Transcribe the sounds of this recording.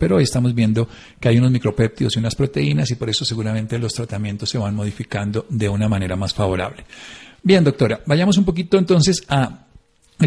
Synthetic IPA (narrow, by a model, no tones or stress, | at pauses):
pe̞ɾoojest̪amo̞zbjend̪o̞ | keajuno̞zmikɾo̞pe̞p̚t̪io̞siunaspɾo̞t̪e̞inasipo̞ɾe̞so̞se̞ɣuɾamẽ̞nt̪e̞lo̞st̪ɾat̪amje̞nt̪osːe̞βanmo̞ðifikand̪o̞d̪e̞unamane̞ɾamasfaβo̞ɾa̰βle̞bje̞nd̪o̞k̚t̪o̞ɾabaʝamos̬umpo̞k̬it̪o̞ent̪̬o̞ns̬e̞sa | e